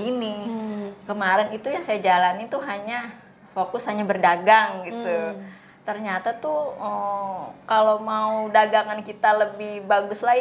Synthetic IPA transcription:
ini | kəmaɾɛnit̪ujaŋsajad͡ʒalanit̪uɦaɲa | fokʊshaɲabərdaɡaŋɡit̪u | t̪ərɲat̪at̪uəkalomaudaɡaŋankit̪aləbɪhbaɡʊslai

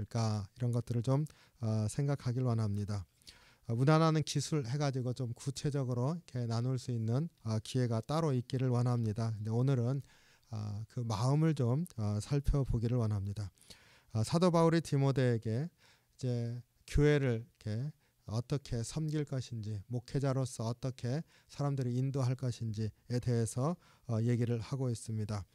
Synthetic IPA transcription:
ɭk͈aiɾʌnɡʌt͈̚ɯɾɯɭt͡ɕom | ʌsʰe̞ŋɡakʰaɡiɾɯɭwʌnɦamɲida | munananɯnkisʰuɭhe̞ɡad͡ʑiɡot͡ɕomkut͡ɕʰe̞d͡ʑʌɡɯɾoikʰe̞nanuɭs͈uinːɯnʌkie̞ɡat͈aɾoik̚k͈iɾɯɭwʌnɦamɲidakɯnde̞onɯɾɯn | ʌ̰kɯmaɯmɯɭt͡ɕomʌsʰaɭpʰjʌboɡiɾɯɭwʌnɦamɲida | sʰadobauɾitimode̞ːɡe̞ | id͡ʑe̞ | kjoe̞ɾɯɭke̞ | ʌt͈ʌkʰe̞sʰʌmɡiɭk͈ʌɕʰind͡ʑimokʰe̞d͡ʑaɾos͈ʰʌːt͈ʌkʰe̞ | sʰaɾamdɯɾiːndoɦaɭk͈ʌɕʰind͡ʑiete̞ɦe̞sʰʌ | je̞ɡiɾɯɭhaɡois͈ɯmɲida

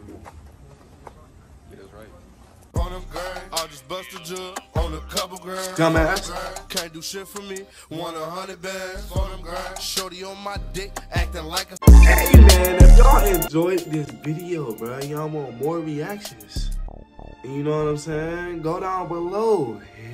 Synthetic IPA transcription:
ad͡ʒʌsb̥ʌstəd͡ʒunkʰʌpkʌ̃mæskʰæ̃nd̥ɨʃɪtfə˞mi | wʌ̃nəɦʌnibɛ | ʃoʊɾənmaɪdɛæk̚tɨ̃laɪkɛmæ̃nɪfjoʊ̃nɨ̃nd͡ʒɔɪd̚ðɪsvɪɾioʊbajɨãɪ̃mwɑ̃nmɔɹɹiækʃɨ̃ns | ɨ̃njɨnoʊwʌɾãɪ̃mseɪɪ̃ŋɡoʊɾãʊ̃nbəloʊ

